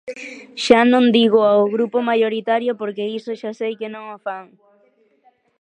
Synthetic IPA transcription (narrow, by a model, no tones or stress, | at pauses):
ʃanõnd̪iɣoawɣɾupomajoɾit̪aɾjopoɾkeisoʃasejkenõŋofaŋ